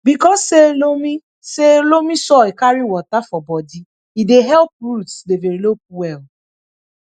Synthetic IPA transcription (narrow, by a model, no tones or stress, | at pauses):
bikɔsːelomi | selomisɔekaɾiwɔtafɔbɔdi | ideɦɛlp̚ɾutsdeveɾilop̚wɛl